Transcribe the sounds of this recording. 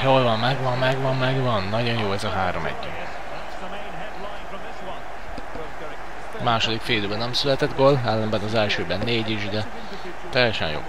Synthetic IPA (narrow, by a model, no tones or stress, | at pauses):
jolvɒmːɛɡvɒmːɛɡvɒmmɛɡvɒnːɒɟo̞njoːɛzɒɦaːɾo̞̰mɛ̰ɟːy | maːʃod̪ikfeːd̪øːbɛnɛmsylɛt̪ɛd̪ɡolɛlːɛmbɛnɒzɛlʃøːbɛnːeːɟiʒd̪ɛ | t̪ɛjːɛʃɛ̰njo̰ː